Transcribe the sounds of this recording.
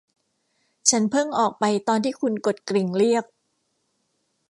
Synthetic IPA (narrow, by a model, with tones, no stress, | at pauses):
t͡ɕʰa˦˥npʰɤ˥˩ŋʔɔː˨˩k̚pa˧jt̪ɔː˧nt̪ʰiː˥˩kʰu˧nko˨˩t̪̚kɾi˨˩ŋɾi˥˩ək̚